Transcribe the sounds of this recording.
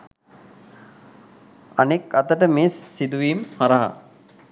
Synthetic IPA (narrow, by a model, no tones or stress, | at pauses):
anekɐt̪əʈəmeːsːid̪uʋiːmhaɾaɦa̰